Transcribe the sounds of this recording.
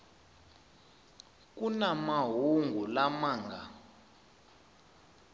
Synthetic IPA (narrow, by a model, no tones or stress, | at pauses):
k̬ʼunamaɦuŋɡʱulamaːŋɡa